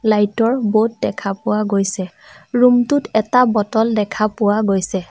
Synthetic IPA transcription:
lajtɔɹbot̚dɛkʰapʊwaɡojsɛ | ɹumtʊtɛtabɔtɔldɛkʰapʊwaɡojsɛ

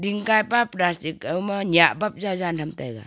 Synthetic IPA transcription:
diŋkajpapɾastikɯmanijaʔbap̚zawzanʰamtajɡa̰

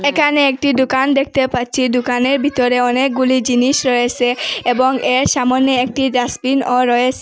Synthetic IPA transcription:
ekʰaneek̚ʈid̪ukand̪ek̚ʰt̪epatːɕʰid̪ukaneɾbʱit̪oɾeɔnek̚ɡulid͡ʑiniʃɾɔet͡ɕʰeeboŋeɾʃamonːeek̚ʈidasbinoɾɔesʰe

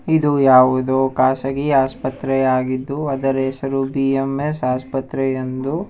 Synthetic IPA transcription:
id̪ujaːʋud̪oːkaːsɐɡiaːspɐt̪ɾɛjaːɡid̪ːuɐd̪ɐɾeːsɐɾubiemesaːspɐt̪ɾɛjend̪u

